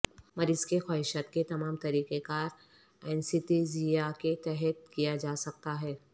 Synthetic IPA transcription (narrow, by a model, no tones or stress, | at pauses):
mɐɾɪzkexaːɦɪʃaːt̪ket̪ɐmaːmt̪ɐɾiːqekaːɾ | ɛːnsɪt̪izijaket̪ɛɦɛt̪kijad͡ʒaːsɐk̚t̪aɦɛː